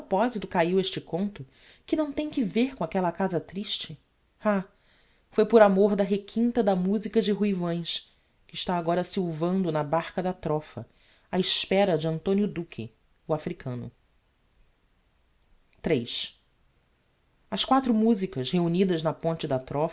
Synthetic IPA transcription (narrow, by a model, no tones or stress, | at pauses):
pɔpɔzit̪ʊkaiweʃt͡ʃɪkõnt̪ʊ | kɪnɐ̃w̃t̪ẽj̃kɪveɾkõakɛlɐkazɐt̪ɾiʃt͡ʃɪ | a | fojpʊɾamoɾd̪ɐɦekʰĩnt̪ɐd̪ɐmuzikɐd͡ʒɪɦuivɐ̃j̃s | kɪːʃt̪aːɡɔɾɐsiwvɐ̃nd̪ʊnɐbaɾkɐd̪ɐt̪ɾɔfɐ̰ | aɪspɛɾɐd͡ʒɪɐ̃nt̪õnjʊd̪ukʰɪ̰ | ʊafɾikʰɐ̃nʊ̰ | t̪ɾejʃ | ɐskwat̪ɾʊmuzikɐʃheunid̪ɐznɐpõnt͡ʃɪd̪ɐt̪ɾɔ